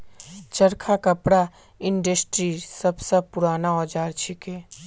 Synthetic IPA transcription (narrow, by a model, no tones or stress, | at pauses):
t͡ʃəɾkʰakəpɽa | ɪɳɖəsʈɾisəbsəb̚pʊɾaːnaɔːd͡ʒaːɾt͡ʃʰikeː